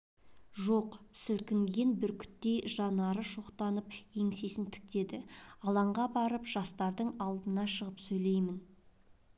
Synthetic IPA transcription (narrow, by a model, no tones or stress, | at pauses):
ʒo̞qsɪlkʲɪŋɡʲenbɪɾkʲʰʏ̥t̪ːe̞jʒɑnɑɾəʃo̞qt̪ɑnəpje̞ŋse̞sɪnt̪ʰɪ̥k̚t̪e̞d̪ɪɑlˠɑɴʁɑbɑɾəpʒ̥ɑst̪ɑɾd̪əɴɑlˠd̪ənɑʃəʁəpsɵjle̞jmɪn